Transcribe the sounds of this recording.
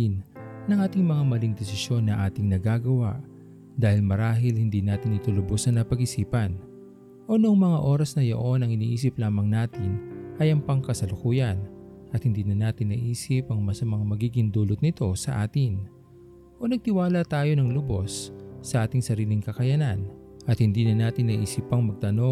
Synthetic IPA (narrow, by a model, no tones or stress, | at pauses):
nnɐŋʔaːt̪ɪŋmɐŋamɐliŋd̪ɛsɪʃjo̞nːɐʔaːt̪ɪŋnɐɡaːɡɐwaʔ | d̪aːhɪlmɐɾaːɦɪlhɪnd̪inaːt̪ɪnɪt̪o̞lʊbo̞snɐnɐpɐɡɪsiːpɐn | ʔo̞noɐŋmɐŋaʔo̞ːɾɐsnɐjɐ̰ʔo̞nɐŋɪnḭːʔiːs̬ɪplaːmɐŋnaːt̪ɪnʔɐjɐŋpɐŋkɐsɐlokuːjɐn | ʔɐt̪̚hɪnd̪iːnɐnaːt̪ɪnːɐʔiːsɪpɐŋmɐsɐmɐŋamɐɡiːɡɪŋd̪uːlot̪̚nɪt̪o̞sɐʔaːt̪ɪn | ʔo̞nɐɡ̚t̪ɪwaːlɐt̪aːjo̞nɐŋlʊbo̞sːɐʔaːt̪ɪŋsɐɾiːlɪŋkɐkɐjɐnan | ʔɐt̪̚hɪnd̪iːnɐnaːt̪ɪnːɐʔiːsipːɐŋmɐɡ̚t̪ɐno̞